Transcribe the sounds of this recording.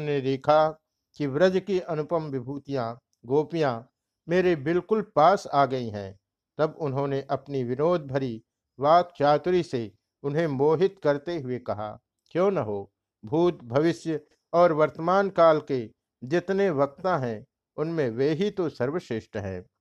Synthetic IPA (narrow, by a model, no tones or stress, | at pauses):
neɾeːkʰa | kiʋɾəd͡ʒkiʔɐnʊpəmʋɪbʱuːt̪ijã | ɡoːpijã | meːɾebɪlkʊlpaːsaːɡɐiɦɛ̰̃ː | t̪ɐbʊnɦõːneʔɐpniʋɪnoːd̪̚ʱbʱɐɾi | ʋaːk̪t͡ʃaːt̪ʊɾise | ʊnɦẽmoːɦɪt̪kɐɾt̪eɦʊekɐɦa̰ː | kjõːnɐɦoː | bʱuːt̪̚bʱɐʋɪʃjə | ɔːɾʋɐɾt̪əmaːnkaːlke | d͡ʒɪt̪neʋɐk̚t̪ãɦɛ̃ | ʊnmẽʋeːɦit̪osɐɾʋəʃɪʃʈɦɛ̰̃ː